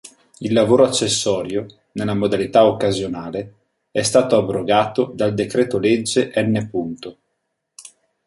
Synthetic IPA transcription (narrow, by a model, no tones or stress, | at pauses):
ilːavoːɾoat͡ʃːesːɔːɾjo | nelːamod̪alit̪aokːazjonaːle | ɛst̪aːt̪oabːɾoɡaːt̪od̪ald̪ekɾɛːt̪oled͡ʒːeʔɛnːepunt̪o